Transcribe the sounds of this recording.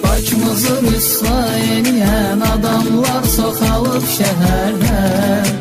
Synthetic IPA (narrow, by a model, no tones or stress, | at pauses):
bɑt͡ʃmɯzɯɾyslˠɑjenijænɑd̪ɑmlˠɑɾsoqʰɑlˠɯpʃæɦæɾɦæ